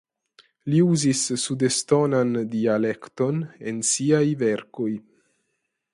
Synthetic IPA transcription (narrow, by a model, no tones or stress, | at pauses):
liuzisːudestonandiale̞kto̞nḛnsiajveɾko̞j